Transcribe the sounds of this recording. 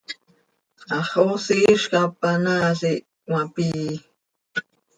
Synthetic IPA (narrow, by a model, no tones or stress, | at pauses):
aχosiʃkapanasi | wapiː